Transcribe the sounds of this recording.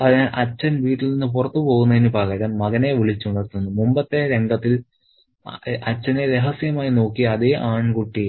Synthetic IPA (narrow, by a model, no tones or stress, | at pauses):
ɐðʔɐt͡ɕːɐnʋiːʈːilninːɨp̬urɐt̪ːɨpo̞ːɣunːɐðinɨpaːɣaːɾaːnmɐɣɐne̞ʋiɭit͡ɕːuuɳɖɐːɾt̪ːunːumumbɐt̪ːe̞ɾe̞ŋɡɐt̪ːil | ɐt͡ɕːɐneɾe̞ɦɐsijɐmaːjino̞ːkːiɐðeʔaːɳkuʈːi